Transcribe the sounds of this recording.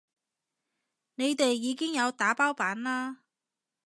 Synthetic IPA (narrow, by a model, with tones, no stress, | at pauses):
ne˨˧jt̪e˨jːiː˨˧kɪ˥ŋjɐ˨˧wt̪aː˨˧˥paː˥wpaː˨˥nlaː˥